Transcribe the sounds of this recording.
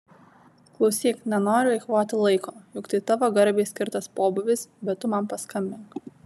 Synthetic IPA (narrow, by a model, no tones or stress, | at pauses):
klˠɒʊsʲiːknʲɛnoːɾʲʊlʲɐɪkʋoːt̪ʲɪlˠɐɪkoːjʊkt̪ɐɪt̪ɐʋoːɡɐɾʲbʲeːsʲkʲɪɾt̪ɐspoːbʊʋʲɪsbʲɛt̪t̪ːʊmɐmpɐskɐmʲbʲɪŋk